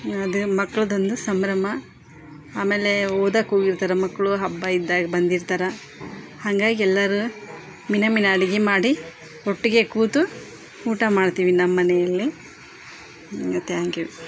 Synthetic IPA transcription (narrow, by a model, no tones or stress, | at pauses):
ɐd̪umɐkːɐɭɐd̪o̞nd̪usɐmɾɐmɐ | aːmeːle̞oːd̪aːkoːɡiɾt̪aːɾɐmɐkːɐɭuɦɐbːɐid̪ːaːɡɐbɐnd̪iɾt̪aːɾɐ | haŋɡaːɡiɛlːɐɾu | minɐminɐːɽiɡimaːɽi | oʈːiɡekuːt̪u | uːʈɐmaːɖt̪iːʋinɐmːɐnɛjɐlːi | ɐt̪ːeaːŋɡiʋi